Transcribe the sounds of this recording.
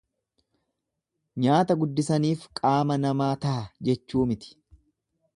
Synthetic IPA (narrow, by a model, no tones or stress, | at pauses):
ɲaːt̪ɐɡʊd̪ːɪsɐniːfkʼaːmɐnɐmaːt̪ɐʔɐd͡ʒɛt͡ʃːuːmɪt̪ɪ̥